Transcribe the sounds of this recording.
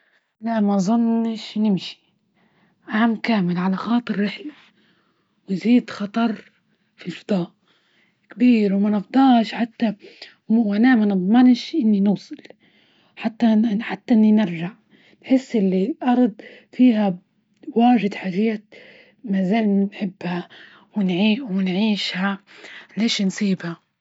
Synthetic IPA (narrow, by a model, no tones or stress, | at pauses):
laʔmazˤʊnːʃnɪmʃi̥ | ʕaʕamːkaːmɪlʕalaxɑːt̪ˤɨɾːɪħla | wɪziːd̪xɑt̪ˤɑɾˤ | filfɑd̪̥ˤɑːʔ | kbiːɾwmanɑfd̪ˤɑːʃħat̪ːa | wanaːmanɨd̪ˤmɑnʃʔɪnːinuːsˤɨl | ħat̪ːaħat̪ːaʔɪnːinɪɾʒaʕ | nħɪsːʔɪlːilʔɑɾˤd̪ˤfiːɦa | waːʒɪd̪ħaʒaːt̪ | mazaːlnħɪbːha | wɪnʕiːʔwɪnʕiːʃhaleːʃnsˤiːbha